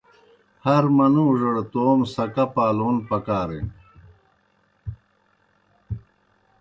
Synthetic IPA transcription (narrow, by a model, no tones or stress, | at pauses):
hɐɾmɐnuʐɐɽt̪oːmsɐkɐpaːloːnpɐkaːɾḛ